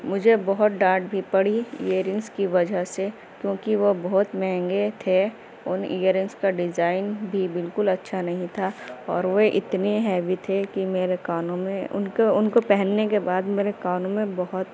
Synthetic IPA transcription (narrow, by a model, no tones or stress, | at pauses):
mʊd͡ʒʱebɔɦʊt̪̚ɖãːʈbʱipɐɽiiəɾɪ̃ŋɡskiʋɐd͡ʒʱəɦse | kjõːkiʋobɔɦt̪mɛ̃ːŋɡet̪ʰe | ʊnijəɾɪ̃ŋɡskaɖɪzaːɪnbʱibɪlkʊlɐtːʃʰanɐɦĩt̪ʰaɔːɾʋoʔɪ̰t̪neɦɛːbʱit̪ʰekimeːɾekaːnõmẽʊ̰nkʊnkopɛɦɛnːekebaːd̪meːɾekaːnõmẽbɐɦʊt̪